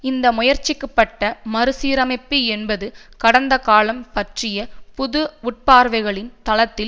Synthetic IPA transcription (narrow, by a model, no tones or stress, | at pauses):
ɪnd̪ɐmʊjɐɾt͡ʃːɪkːɯpːɐʈːɐmɐɾɯsiːɾɐmɐɪpːiɛnbɐðɯkɐɽɐnd̪ɐkaːlɐmpɐʈrɪjɐpʊðɯʊʈ̚paːɾʋɐɪɣɐɭɪnt̪ɐlɐt̪ːɪl